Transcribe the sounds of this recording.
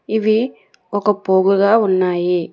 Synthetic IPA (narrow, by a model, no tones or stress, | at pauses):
iʋi | ɔkːɐpoːɡɯɣaːunːaːji